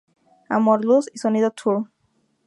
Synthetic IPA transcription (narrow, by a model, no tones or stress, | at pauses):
a̰mɔɾlusisɔnid̪ɔt̪ʰːuɹ